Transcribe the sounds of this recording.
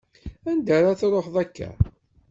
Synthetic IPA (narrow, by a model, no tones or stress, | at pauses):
ænd̪aɾˤaθɾˤoħðˤækːæ̰